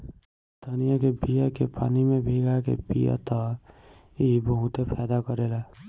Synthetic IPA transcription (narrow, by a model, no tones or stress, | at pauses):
d̪ʱənijakebijakepa̰ːnimebʱeɡakḛbḭja̰t̪ɔ | iɦbəɦut̪epʰɛːd̪akəɾela